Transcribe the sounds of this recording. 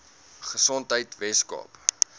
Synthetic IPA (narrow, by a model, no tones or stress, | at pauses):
χəsɔntɦəjtvɛskɑ̰ːp